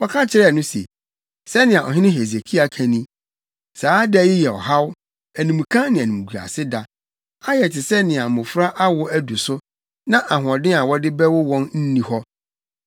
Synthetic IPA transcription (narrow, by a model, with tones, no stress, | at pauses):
wɔ˦kʰã˦t͡ɕʰɪ˦ɾɛ˦˨nʊ̃˦sḛ˨ | sɛ˦nɪ̃˨a˨ʔɔ̰˨ɦɪ̃˦nɪ̃˦ɦe˨ze˨kʰi˦a˨kʰæ̃˨nĩ˦ | saː˨˦dɛ˦jɪ˦jɛ˨ɔ̰˨ɦa˦w | æ˨nũ˨m˨kʰã˦nɪ̃˨æ˨nũ˨m˨ɡu˨ɾa̰˨sɪ˦da˨ | a˦jɛ˨tʰɪ˨sɛ˦nɪ̃˨a˨mʊ̃˨fɾa˦ʔa˦wɔ˦æ˦du˨sʊ˦ | nã˦ʔa˨ɦʊ̃˨ɔ̃˨dɪ̃˦a˨wɔ˦dɪ˦bɛ˦wɔ˦wɔ̃˦nn̩˦nĩ˨hɔ˦